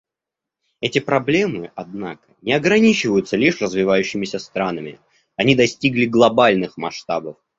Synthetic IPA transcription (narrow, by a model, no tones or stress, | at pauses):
ɛtʲɪpɾɐblʲe̞mɨʔɐd̪na̰kə̥nʲɪɐɡɾɐnʲit͡ɕɪvəjʊt̪səlʲiʂrəzvʲɪvajʉɕːɪmʲɪsʲəst̪ɾanəmʲɪ̰ | ɐnʲid̪ɐsʲtʲiɡlʲɪɡlˠɐbalʲnɨxmɐʂt̪abəf